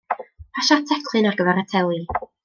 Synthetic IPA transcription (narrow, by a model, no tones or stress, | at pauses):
pʰaʃatʰɛkʰlˠɨnarɡəvɛɾatʰɛlˠi